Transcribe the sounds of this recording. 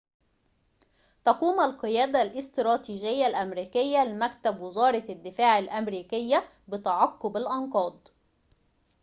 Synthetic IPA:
t̪ɑquːmælqɨjæːd̪alʔɪst̪ɾɑːt̪iːʒɪjːalʔæmɾiːkɪjːælɪmækt̪æbwɪzɑːɾˤɑd̪ːɪfaːʕalʔæmɾiːkɪjːæ | bɪt̪ɑʕɑqːobalʔɑnqɑːd̪ˤ

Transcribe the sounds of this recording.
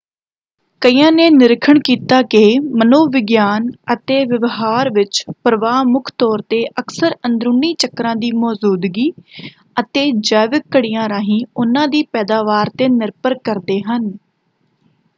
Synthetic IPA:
kəiːãːneːnɪɾɪkʰəɳkiːt̪aːkɪːmənoːʋɪɡjaːnət̪eːʋɪʋɦaːɾʋɪt͡ʃpəɾəʋaːmʊkʰt̪ɔːɾt̪eːʔəksəɾənd̪ɾʊːniːt͡ʃəkːɾãːd̪iːmɔːzuːd̪ɡiː | ət̪eːd͡ʒaːʋɪkːəɽijãːɾaːɦĩːʊnãːd̪iːpɛːd̪aːʋaːɾt̪eːnɪɾpəɾkəɾd̪eːɦən

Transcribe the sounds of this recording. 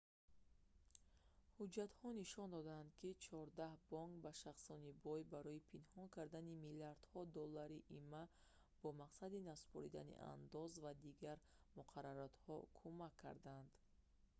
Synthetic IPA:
hud͡ʒat̪hɔniʃɔnd̪ɔd̪aːnd̪kʰit͡ʃʰɔɾd̪ahbɔŋkbaʃaχsɔnibɔjbaɾɔipʰinhɔŋkʰaɾd̪animiliaɾd̪̥hɔd̪ɔlːaɾiʔimːa | b̥ɔmaqsad̪inasu̥pʰɔɾḭd̪a̰nḭʔa̰nd̪ɔzvad̪iɡaɾ | muqʰaɾaɾat̪hɔkʰumakʰːa̰ɾd̪and̪̥

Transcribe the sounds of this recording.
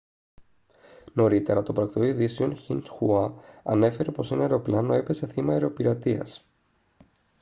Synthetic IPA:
no̞ɾit̪e̞ɾɐt̪o̞pɾɐkt̪oiðiseo̞nçinsxuɐɐ̰ne̞fe̞ɾe̞po̞sineɐeɾo̞plɐno̞epe̞se̞θimɐeɾeo̞piɾɐt̪iɐ̰s

